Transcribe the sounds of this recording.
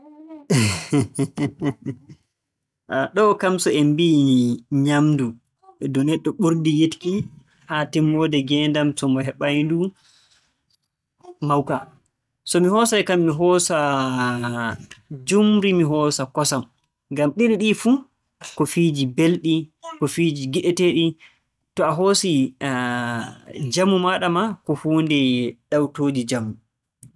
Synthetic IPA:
ɗɔkamsɔembiɲamdu | ɛdɔnɛɗːɔɓuɾdijetki | hatɛmːɔdɛɡɛndamsɔmɔɦɛɓajndu | mawka | sɔmihɔːsajkamːiɦɔsa | d͡ʒumɾimiɦɔːsakɔsam | ɡamɗiɗiɗifu | kɔfiːd͡ʒibelɗikɔfiːd͡ʒiɡiɗɛteɗi | tɔaɦoːsi | d͡ʒamumaɗamakɔhuːndɛɗawtoːd͡ʒid͡ʒamːu

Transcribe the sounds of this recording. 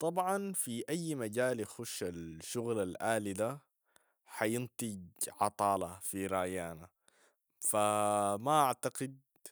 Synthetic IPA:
t̪ˤɑbʕɑnfiʔajːmaɟaːljaxʊʃalʃʊɣlalʔaːlid̪a | ħajɪnt̪ˤɨɡʕɑt̪ˤɑːlɑfiɾˤɑjaːna | famaʔaʕt̪aqɪd̪̚

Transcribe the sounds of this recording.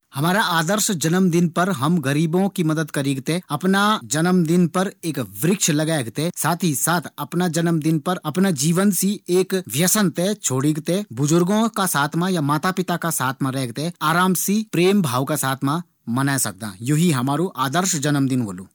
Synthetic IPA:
hɐmaːɾaaːd̪əɾʃd͡ʒɐnəmd̪ɪnpɐɾɦɐmɡɐɾiːbõkimɐd̪əd̪kɐɾiːɡt̪eɐpnad͡ʒɐnəmd̪ɪnpɐɾeːkʋɾɪkʃlɐɡaːɡt̪esaːt̪ʰisaːt̪ʰɐpnad͡ʒɐnəmd̪ɪnpɐɾɐpnad͡ʒiːʋənsieːkʋjɐsənt̪et͡ʃʰoːɽiɡt̪ebʊzʊɾɡõkasaːt̪ʰmãjamaːt̪apɪt̪akasaːt̪ʰmãɾɛɦɡ̚t̪eaːɾaːmsipɾeːmbʱaːʋkasaːt̪ʰmã | mɐnasɐk̚d̪ã̰ːjoɦiɦɐmaːɾoʔaːd̪əɾʃd͡ʒɐnəmd̪ɪnɦo̰ːloː

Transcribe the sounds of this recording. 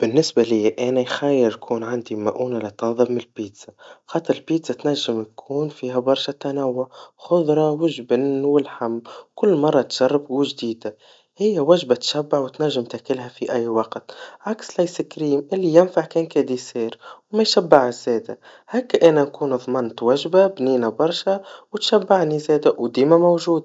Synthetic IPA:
b̥ɪnːɪsbalɪjːʔæːnæjxæjːɪɾjkʰuːnʕand̪imaʔuːnalɪt̪ɑːðˤɨbmɪnlbiːt̪saxɑːt̪ˤːɨɾɪlbiːt̪sat̪næʒːɪmjkʰuːnfiːɦæbɑɾˤʃæt̪ːanawːʊʕxʊðˤɾˤɑwɪʒbɪnwɪlħamːkʊlːmɑrˤːɑt̪ʒ̥ɑrˤːɑbwɪʒd̪iːd̪a | hɪjːæwæʒbat̪ʃæbːaʕwt̪næʒːəmt̪ækɪlɦæfiʔæjːwɑqt̪ʕakslajsɪkɾiːmʔɪlːijɪnfaʕkɛːnkæd̪isiːɾwmæjʃæbːaʕəʃz̥ɛːd̪æ | hæːkːʔænænkuːnðˤmɑnt̪wæʒbabniːnæbɑɾˤʃæwt̪ʃæbːaʕnizɛːd̪æwd̪iːmæmowʒuːd̪

